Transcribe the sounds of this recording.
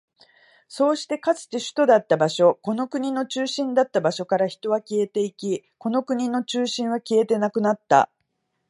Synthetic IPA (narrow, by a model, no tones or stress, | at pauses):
so̞ːɕi̥t̪e̞kat͡sɨ̥t̪e̞ɕɨ̥t̪o̞d̪at̪ːabaɕo̞ko̞no̞kɯɲ̟ino̞t͡ɕɨːɕĩnd̪at̪ːabaɕo̞kaɾaçi̥t̪o̞β̞akʲie̞t̪e̞ikʲi | ko̞no̞kɯ̟ɲ̟ino̞t͡ɕɨːɕĩɰ̃β̞akʲie̞t̪e̞nakɯ̟nat̪ːa̰